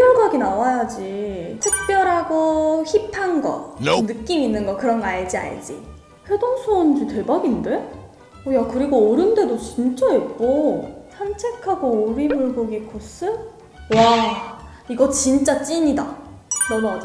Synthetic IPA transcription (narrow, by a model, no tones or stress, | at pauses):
jod͡ʑʌɡinawajad͡ʑitʰɯk̚p͈jʌɾɦaɡoçipʰanɡʌ̰nɯk͈iminːɯnɡʌkɯɾʌnɡʌaɭd͡ʑia̰ɭ̰d͡ʑḭ | ɸe̞doŋsʰond͡ʑite̞baɡinde̞ | ojakɯɾiɡoʌɾɯnde̞dot͡ɕint͡ɕ͈aep̚k͈osʰant͡ɕʰe̞kʰaɡoːɾimuɭɡoɡikʰos͈ʰɯ | wa | iɡʌt͡ɕint͡ɕ͈at͡ɕ͈iɲida̰ | mʌnad͡ʑ